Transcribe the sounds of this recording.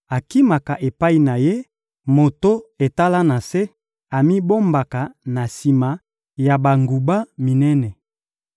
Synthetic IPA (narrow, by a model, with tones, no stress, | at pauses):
a˨ki˦ma˨ka˨ʔe˨pa˦i˨na˨je˦ | mo˨to˦e˨ta˦la˦na˨se˦ | a˨mi˦bo˦mba˨ka˨na˨si˨ma˨ | ja˨ba˨ŋɡu˨ba˦mi˨nɛ˦nɛ˨